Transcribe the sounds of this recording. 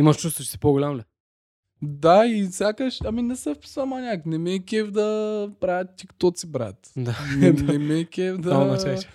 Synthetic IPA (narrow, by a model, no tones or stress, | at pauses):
iməʃt͡ʃust̪vot͡ʃsi̥poɡolʲamlɛ | d̪aifsʲjakəʃɐminɛsɛfpu̥samanʲaknɛmɛkɛvd̪ɐpɾavʲət̪t̪ʲːikt̪ɔt̪sibɾa̰t̪d̪anɛnɛmɛkʲɛvd̪ɐnat͡ʃaʃɛ